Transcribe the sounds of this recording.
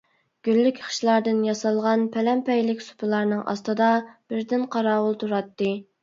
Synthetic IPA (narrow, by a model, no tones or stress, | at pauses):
ɡ̥ʲylːykʲʰχʰə̥ʃlˠɑɾd̪ɨnjɑsɑlˠʁɑnpʰɛlɛmpɛjlɪkʲsu̥pʰɨlˠɑɾnɨŋʔɑ̰st̪ɨd̪ɑb̥ɪɾd̪ɪnqʰɑɾɑːwʊlˠt̪ʰuɾɑt̪ːɨ